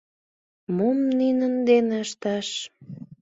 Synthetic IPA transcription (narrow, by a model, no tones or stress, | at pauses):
momninənd̪eneəʃt̪ɑʃ